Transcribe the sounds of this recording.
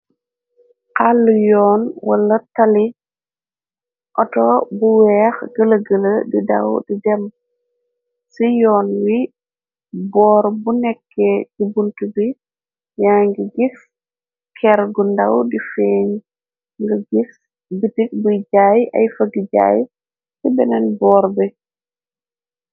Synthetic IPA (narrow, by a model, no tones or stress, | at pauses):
qalːujɔːnwɐ̰lɐtali | ʔɔtɔbuwɛːxɡəlɐɡələdida̰wdidɛm | sijɔːnwi | bɔːɾbunɛkːɛɟibuntubi | jaŋɡiɡif | kʰɛɾɡundawdifeːɲ | ŋɡɐɡif | bitik̚bujɟaːjʔɐ̰jfəɡiɟa̰ːj | sɛbɛnɛnbɔːɾbɛ